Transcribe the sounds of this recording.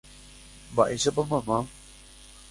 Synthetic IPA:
ba̰ʔisɐbɐmama

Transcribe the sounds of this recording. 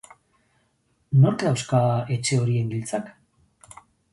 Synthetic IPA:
no̞ɾklawskae̞t͡ʃe̞o̞ɾie̞ŋɡilt͡sak

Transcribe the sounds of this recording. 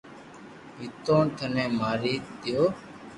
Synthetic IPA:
ɦɪt̪õːt̪ʰənẽːmaːɾiːt̪ɪjoː

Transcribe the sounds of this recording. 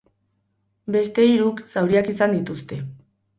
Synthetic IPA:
be̞st̪e̞iɾuksawɾiakisand̪it̪ust̪e̞

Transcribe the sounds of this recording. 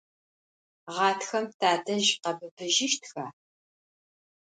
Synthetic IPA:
ʁɑːtxɐmtʰaːdʰɐʒqɐbɨbɨʒɪʃtxaː

